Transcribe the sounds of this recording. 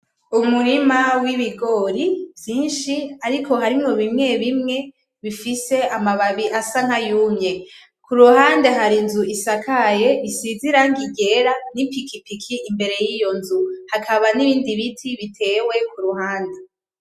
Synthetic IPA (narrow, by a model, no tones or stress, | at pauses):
umuɾimawiβiɡo̞ɾivjiːnʃiaɾikʰo̞ɦaɾimŋoβimŋe̞βimŋe̞ | βifise̞amaβaβiʔasaŋ̥hajuːmɲe̞ | kuɾuhaːnde̞ɦaɾinzuisakʰaje̞βisiziɾaŋɡiɟe̞ɾanipikʰipikʰiimbe̞ɾe̞jijo̞nzuhakʰaβaniβiːndiβitʰiβitʰe̞we̞kuɾuɦaːnde